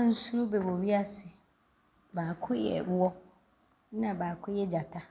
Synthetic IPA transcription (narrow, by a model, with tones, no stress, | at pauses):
a˦n̩˦su˦ɾu˦bɛ˨bo˨ɥi˦a˦sɪ˨ | baː˨kʰʊ˦jɛ̰˨˦wɔ˦ | nã˨baː˨kʰʊ˦jɛ˦d͡ʑa˨tʰa˦